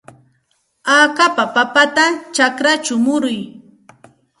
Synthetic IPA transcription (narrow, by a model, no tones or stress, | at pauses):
aːkapapapat̪at͡ʃakɾat͡ʃʊmʊɾʊj